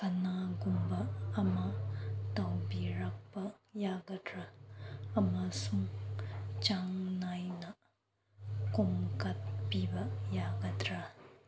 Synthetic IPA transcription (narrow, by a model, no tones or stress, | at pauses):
kɐnaɡumbɐːmɐtawbiɾak̚pɐjaɡɐdɾaː | mɐsuŋ | t͡ʃaŋnajnɐ | kumkɐt̚pibɐjaɡɐdɾa